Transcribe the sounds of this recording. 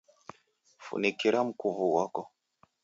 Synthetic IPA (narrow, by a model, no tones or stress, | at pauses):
fṵnekiɾam̩kuvuwakɔ